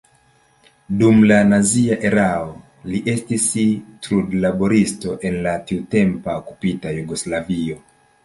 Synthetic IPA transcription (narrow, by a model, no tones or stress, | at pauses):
dumlanaziaʔe̞ɾao | liʔe̞stistɾudlabo̞ɾisto̞ʔe̞nlatiute̞mpaokupitajuɡo̞slavio̞